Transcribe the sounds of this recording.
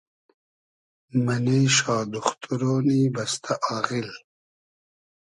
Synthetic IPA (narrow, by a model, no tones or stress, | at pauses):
mɐnejʃaːd̪uxt̪ʰuɾoːniːbɐst̪ʰaʔaːɣil